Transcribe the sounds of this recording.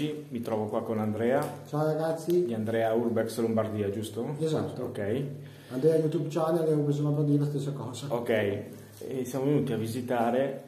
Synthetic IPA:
imit̪ɾɔːvokwakonand̪ɾɛːat͡ʃaoɾaɡat̪sːid̪iand̪ɾɛːaurbɛkslombard̪iːad͡ʒust̪oeza̰t̪ːookɛj | and̪ɾɛajut̪ubt͡ʃanealɛvobizoːnapɾɔd̪iɾelast̪esːakɔːzaokɛj | ɛsjamovenuːt̪iavizit̪aːɾe

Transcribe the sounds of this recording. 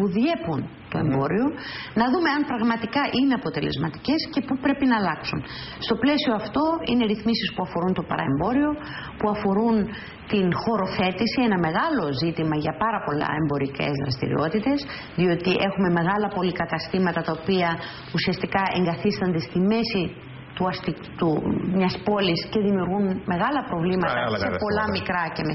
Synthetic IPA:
puðje̞punt̪o̞e̞̰mbbo̞ɾio̞nɐðume̞ɐmpɾɐɣmɐt̪ikɐʔine̞ɐpo̞t̪e̞le̞̰zmɐt̪i̥ce̞sce̞pupɾe̞pinɐːlɐksun | st̪o̞ple̞sioɐft̪o̞ine̞ɾiθmisispuɐfo̞ɾunt̪o̞pɐ̰ɾɐ̰e̞mbo̞ɾio̞ | puɐfo̞ɾun | t̪inxo̞ɾo̞θe̞t̪isienɐme̞ɣɐlo̞zit̪imɐʝɐpɐɾɐpo̞lɐ̰e̞mbo̞ɾice̞̰zðɾɐ̰st̪ḭɾḭo̞t̪it̪e̞s | ðio̞t̪iʔe̞xume̞me̞ɣɐlɐpo̞likɐt̪ɐst̪imɐt̪ɐt̪ɐopiɐ | usiɐst̪ikɐe̞ŋɡɐθist̪ond̪e̞st̪ime̞si | t̪uɐst̪i | t̪umɲɐspo̞lisce̞ðimiuɾɣunme̞ɣɐlɐpɾo̞vlimɐt̪ɐsepo̞lɐmikɾɐceme

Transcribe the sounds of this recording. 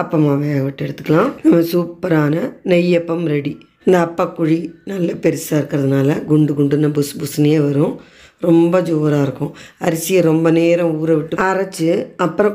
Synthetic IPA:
ɐpːɐmaʋɐjaːɣɐʋɪʈːɛɽɯt̪ːɯ̥kːɐɭãːnɐmːɐsuːpːɐɾaːnɐnɛjːɐpːɐmɾɛɽi | ɪnd̪ɐːpːakːʊɻinɐlːɐpɛɾɪsaːɪɾɯkːɪɾɐðɯnaːlɐɡʊɳɖɯɡʊɳɖɯnːɐbʊsbʊsɐnɐjeːʋɐɾʊ̃ | ɾɔmbɐd͡ʒoːɾaːɪɾɯkːʊ̃ɐɾɪsɪjɐɾɔmbɐneːɾɐ̃uːɾɐʋɪʈːɯɐɾɐt͡ʃːɯɐpːɯɾɐ̃

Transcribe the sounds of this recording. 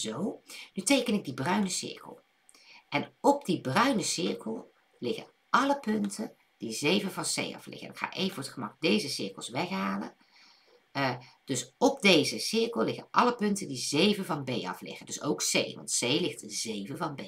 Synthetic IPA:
zownytejkənɪɡ̚dibrœɥnəsɪ̰ɹkə̰l̩ˠ | ʔɛnɔb̚dibrœɥnəsɪɹkəlˠ | lɪɣə̰ | ʔɑləpʏntʰə | d̥izejvəvɑnsḛjɑ̰flʔɪ̰ɣə̰ɛ̰nɪkχa̰ːʔejvəvoːətχəmɑk̚dejzəsɪɹkəlˠsʋɛχɦaːlə̰n | d̥ɵsɔb̚dejzəsɪɹkəlˠlɪɣəʔɑləpɵntədizejvəvɑnbejɑ̰flɪ̰χəndɵsowksejʋɑ̰ntsejlɪxtzejvəvɑnbe

